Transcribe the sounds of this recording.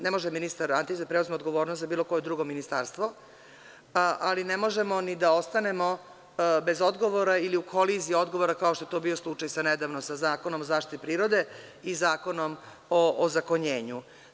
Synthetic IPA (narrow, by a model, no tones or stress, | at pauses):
nemoʒɛminist̪aɾant̪isd̪apɾeuzmeod̪ɡo̞ʋo̞ːɾnost̪zabiːlo̞ko̞jed̪ɾuɡo̞minist̪aɾst̪ʋo | ʔalinemo̞ʒemo̞nid̪aost̪ane̞mo̞ | be̞zod̪ɡo̞ʋoɾailiukʰolizio̞d̪ɡo̞ʋoɾakao̞ʃt̪ojet̪obio̞slˠut͡ʂajsaned̪aʋnosazaːkonomozaːʃt̪it̪ipɾiːɾo̞d̪e̞izaːko̞nom | oʔːzakoɲeːɲu